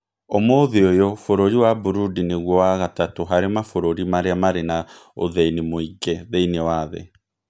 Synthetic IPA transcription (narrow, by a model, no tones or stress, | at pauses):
omoðeojɔfoɾoɾiwabuɾudineɣwɔwaɣatatoɦaɾemafoɾoɾimaɾeamaɾenao̰ðɛinimoiɡɛðɛinɛwaːðɛ̰